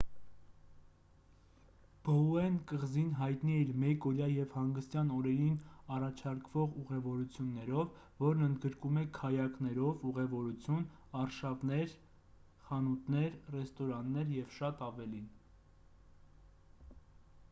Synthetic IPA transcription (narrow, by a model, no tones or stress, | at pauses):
b̥əuɛnkəʁzinɦɑjt̪niɛiɾmɛkɔɾjɑjɛvhɑŋɡəst̪jɑnɔɾɛɾinɑrɑt͡ʃʰɑɾkʰvɔʁuʁɛvɔɾut͡sʰjunːɛɾɔvː | ɔɾnənd̪ɡəɾkumɛkʰɑjɑknɛɾɔvuʁɛvɔɾut͡sʰjun | ɑrʃɑvnɛɾ | χɑnut̪nɛɾrɛst̪ɔɾɑnːɛɾjɛvʃɑt̪ɑvɛlin